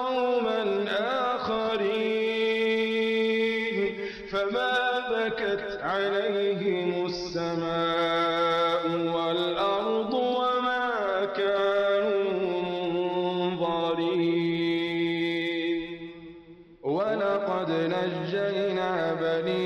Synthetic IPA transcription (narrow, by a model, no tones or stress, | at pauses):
wmanʔaːxaɾiː | n | famaːbakat̪ʕalajɦɪmʊsːamaː | ʔʊwalʔɑɾd̪ˤwamaː | kaːnumʊʊʊnðˤɑɾiː | n | walɑqɑd̪nad͡ʒːaʔnaːbaliː